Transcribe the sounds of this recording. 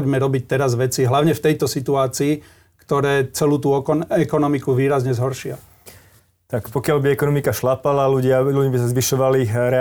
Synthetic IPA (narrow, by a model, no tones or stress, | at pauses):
ɟmɛɾɔbic̚t̪ɛɾazʋɛt͡siɦlaʊɲɛft̪ɛjt̪ɔsit̪uaːt͡siː | kt̪ɔɾɛːt͡sɛluːt̪uːɔkɔɛkɔnɔmikuʋiːɾazɲɛzɦɔɾʃɪa | t̪akpɔkɪalbiɛkɔnɔmikaʃlapalaluɟɪaluɟibisazʋiʃɔʋaliɾɛ